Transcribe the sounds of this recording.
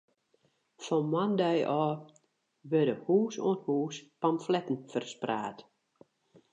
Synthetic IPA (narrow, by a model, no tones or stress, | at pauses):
fɔnmandɛjʔɔː | ʋødəhuːso̰ənhuːspamflɛtən̩fərspra̰ːt